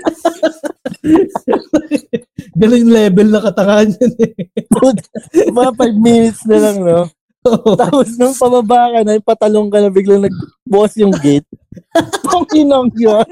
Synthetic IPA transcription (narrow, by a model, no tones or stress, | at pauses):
ɡɐnoɲlɛːbɛlnɐkɐt̪ɐŋaɲɐnɛubɐɐpajb̚miːnɪt̪snɐlɐŋno | oot̪aːposnʊŋpɐbɐbaːkɐnɐɪpɐt̪ɐloŋkɐnɐbɪɡlɐŋnɐɡ̚ | bʊʔɐsjʊŋɡet̪̚t̪oŋinoŋja